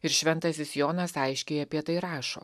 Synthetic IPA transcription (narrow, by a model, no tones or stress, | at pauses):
ɪɾʃʲʋʲɛnt̪ɐsʲɪsjoːnɐsɐɪʃʲkʲeːjɐpʲiɛt̪ɐɪɾɑːʃo̰ː